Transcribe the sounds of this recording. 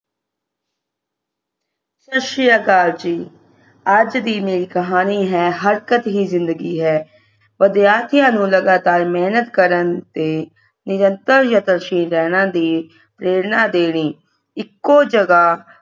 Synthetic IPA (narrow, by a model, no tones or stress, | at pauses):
ʃəʃijaːkaːɾd͡ʒiː | əd͡ʒd̪iːmeːɾiːkəɦaːniːɦɛːɦəɾkət̪ɦiːzɪ̃nd̪əɡiːɦɛː | ʋəd̪jaːt̪ʰɪjãːnũːləɡaːt̪aːɾmɛːnət̪kəɾənt̪eː | nɪɾənt̪əɾjat̪əɾʃiːnɾɛːñãːd̪iː | pɾeːɾnaːd̪eːɽ̃iː | ɪkːoːd͡ʒəɡaː